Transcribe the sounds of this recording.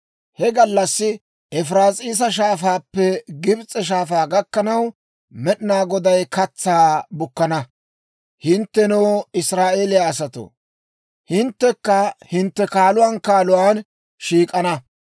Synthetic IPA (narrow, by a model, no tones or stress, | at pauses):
hɛɡɐlːɐsːɪ | ɛfɾaːsʼiːs̬ɐʃ̬aːfaːpːɛɡɪbt͡sʼːɛʃ̬aːfaːɡɐkːɐnɐw | mɛɗɪnaːɡɔd̪ɐjkɐt͡sːaːbʊkːɐnɐ | hɪnt̪ːɛnoːɪsɾaːʔeːlɪjaːsɐt̪o̰ | hɪnt̪ːɛkːɐhɪnt̪ːɛkaːlʊwaːnkaːlʊwaːn | ʃiːkʼɐnɐ